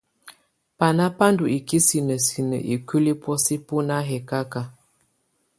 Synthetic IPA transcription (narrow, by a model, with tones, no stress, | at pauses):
pa˨na˦pa˦ndu˨i˨ki˦si˨nə˨si˨nə̰˨ʔi˨ki˦li˦pwɔ˦si˦pu˦na˦ɦɛ˨ka˦ka˦